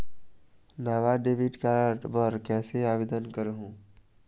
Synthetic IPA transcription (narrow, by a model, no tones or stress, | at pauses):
naːʋaɖeːʋɪʈkaːɾaʈʋəɾkɛːseaːʋeːd̪ənkəɾɦũː